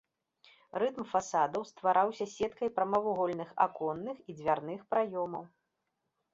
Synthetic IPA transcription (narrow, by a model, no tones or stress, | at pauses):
rɨt̪mfasad̪ɐwst̪vaɾʔawsʲɐsʲɛt̪kɐjpɾɐmɐvuɣɔlʲnɨxa̰kɔnːɨxid͡zʲvʲarnɨxpɾajɔmɐw